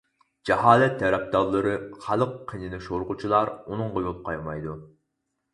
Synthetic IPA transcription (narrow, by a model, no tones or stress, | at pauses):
d͡ʒɛhɑːlɛt̪ʰːɛɾɛp̚d̪ɑlˠːɨɾɨχɑlˠəqʰːijnɪnɪʃoɾqut͡ʃʰilˠɑɾunɨŋʁojolˠp̚qʰɑjmɑjd̪u